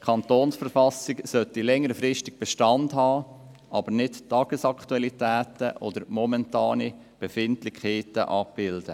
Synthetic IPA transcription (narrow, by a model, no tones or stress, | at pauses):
kʰɑntoːnsfəɾfɑsɪksœtːilɛŋːəɾfɾɪstiɡ̚b̥ɛʃtɑndɦɑː | ʔɑb̥əɾnɪttːɑːɡ̥əsɑkt̪uɛlitæːtəʔɔd̥̪əɾmɔmɛntɑːni | b̥efɪntlɪkʰeːtə̰ʔɑpb̥ɪld̥ə